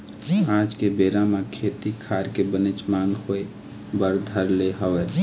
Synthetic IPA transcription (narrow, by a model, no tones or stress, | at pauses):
ãd͡ʒkebeːɾamekʰet̪ikʰaɾkebənet͡ʃmãŋɡhoe | bəɾd̪ʱəɾleɦəwɛ